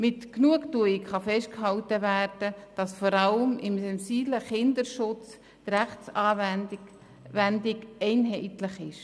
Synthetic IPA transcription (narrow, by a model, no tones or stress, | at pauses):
mɪtknuəktuɪkχɑfɛʃt̚khɑltəværd̥əd̥ɑsfɔɾɑləmɪmsɛnsiːbləχɪndəɾʃʊt͡s | d̥̪ɾæχt͡sɑːv | ændɪɡɛɪnɦɛɪtlɪχɪʃ